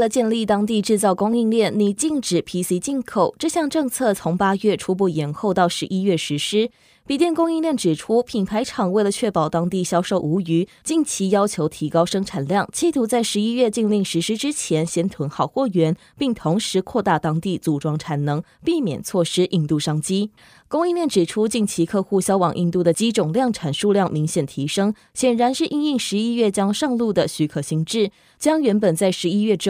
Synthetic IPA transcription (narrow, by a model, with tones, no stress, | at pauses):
we˩lə˩t͡ɕjɛ˥˧nli˥˩t̪ɑ˥ŋt̪i˥˧ʈ͡ʂɻ̩˥˧t͡sɑ˥˩ʊkʊ˥ŋi˥˧ŋljɛ˥˩nni˧˩t͡ɕi˥˩ŋʈ͡ʂɻ̩˨˩pʰi˧˥si˧˥t͡ɕi˥˩nkʰo˨˩ʊʈ͡ʂɤ˥˧ɕjɑ˥˧ŋʈ͡ʂɤ˥˧ŋt͡sʰɤ˥˩t͡sʰʊ˧˥ŋpa˥ɥɛ˥˩ʈ͡ʂʰu˥p̬u˥˩jɛ˨˩nxo˥˧ʊt̪ɑ˥˩ʊʂɻ̩˧˥ʔi˥ɥɛ˥˩ʂɻ̩˧˥ʂɻ̩˥ | pi˨˩t̪jɛ˥˩nkʊ˥ŋi˥˧ŋljɛ˥˩nʈ͡ʂɻ̩˨˩ʈ͡ʂʰu˥pʰi˨˩npʰa˧˥ɪʈ͡ʂʰɑ˨˩ŋwe˥˩ɪlə˨˩t͡ɕʰɥɛ˥˩pɑ˨˩ʊt̪ɑ˥ŋt̪i˥˩ɕjɑ˥ʊʂo˥˩ʊʔu˧˥y˧˥t͡ɕi˥˩nt͡ɕʰi˧˥jɑ˥ʊt͡ɕʰjo˧˥ʊt̪ʰi˧˥kɑ˥ʊʂɤ˥ŋʈ͡ʂʰa˨˩nljɑ˥˩ŋt͡ɕʰi˧˥t̪ʰu˧˥t͡sa˥˩ɪʂɻ̩˧˥i˥ɥɛ˥˧t͡ɕi˥˧ŋli˥˩ŋʂɻ̩˧˥ʂɻ̩˥ʈ͡ʂɻ̩˥t͡ɕʰjɛ˧˥nɕjɛ˥nt̪ʰwə˧˥nxɑ˥˩ʊxwɔ˥˩ɥɛ˧˥n | pi˥˩ŋt̪ʰʊ˧˥ŋʂɻ̩˧˥kʰwɔ˥˧t̪a˥˩t̪ɑ˥ŋt̪i˥˩t͡su˨˩ʈ͡ʂwɑ˥ŋʈ͡ʂʰa˨˩nnɤ˧˥ŋ | pi˥˩mjɛ̰˨˩nt͡sʰwɔ˥˩ʂɻ̩˥ʔi˥˧ŋt̪u˥˩ʂɑ˥ŋt͡ɕi˥ | kʊ˥ŋi˥˧mjɛ˥˩nʈ͡ʂɻ̩˨˩ʈ͡ʂʰu˥t͡ɕi˥˩nt͡ɕʰi˧˥kʰɤ˥˧xu˥˩ɕjɑ˥ʊwɑ˨˩ŋʔi˥˧nt̪u˥˩d̪ə˩t͡ɕi˥ʈ͡ʂʊ˨˩ŋljɑ˥˩ŋʈ͡ʂʰa˨˩nʂu˥˧ljɑ˥˩ŋmi˧˥ŋɕjɛ˨˩nt̪ʰi˧˥ʂɤ˥ŋ | ɕjɛ˨˩nɻa˧˥nʂɻ̩˥˧ʔi˥˧ni˥˩ŋʂɻ̩˧˥i˥ɥɛ˥˩t͡ɕjɑ˥ŋʂɑ˥˧ŋlu˥˩d̪ə˩ɕy˧˥kʰɤ˨˩ɕi˧˥ŋʈ͡ʂɻ̩˥˩ | t͡ɕjɑ˥ŋɥɛ˧˥npə˨˩nt͡sa˥˩ɪʂɻ̩˧˥i˥ɥɛ˥˩ʈ͡ʂ̩˥